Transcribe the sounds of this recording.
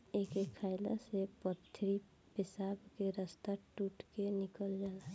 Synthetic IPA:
ekekʰaɪla̰sepət̪ʰːɾi | pɪsabkeɾəst̪aʈuʈkenɪkəld͡ʒaːla

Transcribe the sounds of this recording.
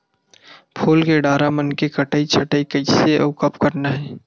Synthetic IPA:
pʰoːlkeɖaːɾamənkekəʈəːit͡ʃʰəʈəikəiseʔoːkəpkəɾnaɦɛː

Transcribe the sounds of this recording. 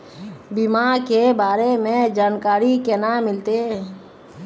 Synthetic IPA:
bimakebaːɾemẽd͡ʒaːnkaːɾikenamːɪlt̪e

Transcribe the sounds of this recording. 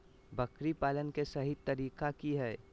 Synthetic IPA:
bəkɾipaːlənkesɐɦit̪ɐɾiːkakiɦɛː

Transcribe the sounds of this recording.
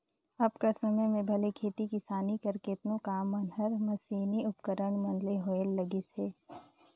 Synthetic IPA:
ɐbkasɐməjmẽbʱɐlekʰeːt̪ikɪsaːnikɐɾkeɪt̪nõkaːmɐnɦɐɾmɐsiːniʊpkəɾəɳmɐ̃nleɦoelɐɡɪseː

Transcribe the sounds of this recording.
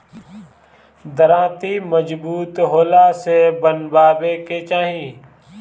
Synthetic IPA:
d̪əɾãːt̪iməd͡ʒbuːt̪ɦoːlasebənbaːbeket͡ʃaːɦĩː

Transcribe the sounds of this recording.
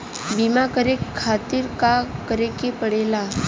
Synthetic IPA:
bimakəɾekʰːaːt̪ɪɾkakəɾekepəɽeːla

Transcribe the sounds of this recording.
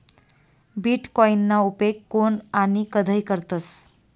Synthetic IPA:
biʈkɔjnːaupekːonanikəd̪ʱəjkəɾt̪əs

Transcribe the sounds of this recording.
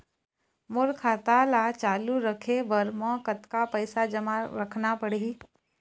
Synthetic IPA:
mʊɾkʰaːt̪alat͡ʃaːluɾəkʰeʋɐɾmɔ̃ːkət̪kapəɪsad͡ʒɐmaɾɐkʰnapəɽe

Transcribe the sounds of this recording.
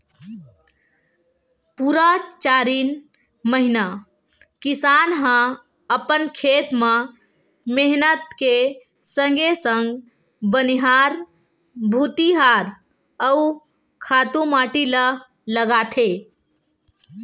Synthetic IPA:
puɾat͡ʃaɾiːn | məɦina | kisanɦə̃ | əpənkʰet̪mã | meɦnət̪ke | sə̃ŋɡesə̃ŋɡ | bəniɦaɾ | bʱut̪iɦaɾ | əu | kʰat̪ũmaʈilə | ləɡat̪ʰe

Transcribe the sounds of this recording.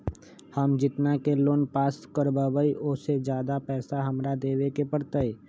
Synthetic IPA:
həmd͡ʒɪt̪nakeloːnpaːskəɾbaːbəiʔʊsed͡ʒjaːd̪apɛːsaɦɐmɾad̪eːʋekepəɽt̪əeː

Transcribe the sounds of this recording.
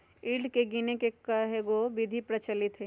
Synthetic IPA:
iɖkeɡinekekəɦeɡoʋɪd̪ʱipɾət͡ʃəlɪt̪ɦe

